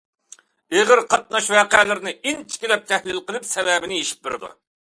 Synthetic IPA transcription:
eʁəɾqʰɑt̪̚nɑʃvæːqælɪɾɪnɪint͡ʃʰi̥kʲilɛp̚t̪ʰɛhlɪlqəlˠɪpsɛlɛːbɪnɪeʃi̥p̚bɪɾɪ̰d̪ṵ

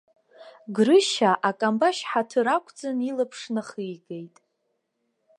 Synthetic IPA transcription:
ɡrɨʃaʔakʼambaʃħatʰɨɾakʷʼʰd͡zanilapʰʂnaχɨjɡejtʼ

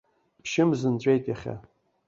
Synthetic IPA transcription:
pʰʃɪmzɨnt͡ɕʷʼejtʼjaχʲa̰

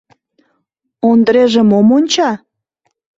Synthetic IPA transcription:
ond̪əɾeʒĕmomonʲt͡ɕɑ

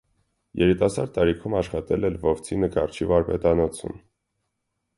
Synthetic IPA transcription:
jɛɾit̪ɑsɑɾɑɾikʰumɑʃχɑt̪ɛlɛlvɔft͡sʰinəkɑrt͡ʃʰivɑɾpɛt̪ɑnɔt͡sʰṵm

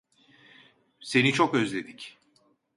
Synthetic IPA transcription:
se̞nit͡ʃʰokøzlʲe̞d̪ic

